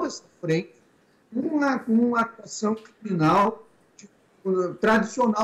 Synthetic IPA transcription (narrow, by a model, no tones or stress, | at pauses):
ɛsɐfɾẽt͡ʃɪ | ũɐkõũmɐat̪uasɐ̃w̃kɾimĩnaw | d͡ʒɪ | t̪ɾad͡ʒisiona